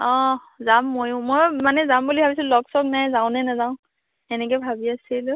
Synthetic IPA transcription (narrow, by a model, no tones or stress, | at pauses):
ɔ̃ | zamːojʊ̃mojmanɛzambulibʱabisillɔksɔknajzaʊ̃nɛnazaʊ̃ | ɛnɛk̬ɔjbʱabiasilʊ